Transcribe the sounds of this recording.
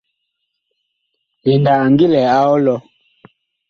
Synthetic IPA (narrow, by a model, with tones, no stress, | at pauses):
i˨nda˨a˨ŋɡi˦lɛ˨a˦ɔ˦lɔ˦